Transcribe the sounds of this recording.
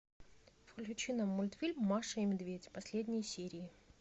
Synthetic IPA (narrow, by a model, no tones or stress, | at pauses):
fklʲʊt͡ɕinəmːʊlʲt̪fʲilʲmːaʂəɪmʲɪd̪vʲedʲpɐsʲlʲed̪ʲnʲɪjəsʲeɾʲɪɪ